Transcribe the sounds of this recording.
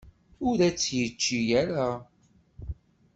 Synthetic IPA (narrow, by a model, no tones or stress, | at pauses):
ʊɾæt͡sːjət͡ʃːijæɾa